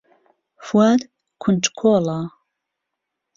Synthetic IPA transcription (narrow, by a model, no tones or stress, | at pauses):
fwad̪ | kʷʰʊnʈ͡ʂʼkʰola